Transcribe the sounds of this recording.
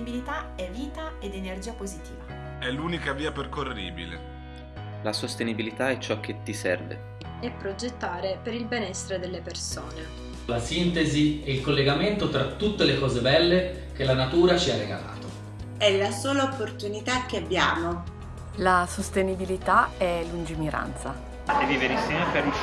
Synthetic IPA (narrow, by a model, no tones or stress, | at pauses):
ibilit̪aɛvːiːt̪aed̪enerd͡ʒiːapozit̪iːva | ɛluːnikaviːaperkorːḭːbḭlḛ | lasost̪enibilit̪aɛt͡ʃːɔk̟ːet̪ːisɛ̰rvḛ | ɛpːɾod͡ʒet̪ːaːɾepeɾilbenɛsːeɾed̪elːepersoːne | lasint̪eziɛilkolːeɡament̪ot̪ɾat̪ːut̪ːelekɔːzebɛlːe | k̟elanat̪uːɾat͡ʃiarːeɡa̰la̰ːt̪o | ɛlasoːlaopːort̪unit̪ak̟ːeabːjaːmo | lasost̪enibilit̪aɛlːund͡ʒimiɾʔa̰nt̪sa̰ | edivenisɛpe